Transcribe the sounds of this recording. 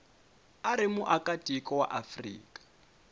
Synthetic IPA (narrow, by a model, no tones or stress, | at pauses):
aɾɪmuʔakʼatʼikʼɔwa̰ʔafrḭːkʼḁ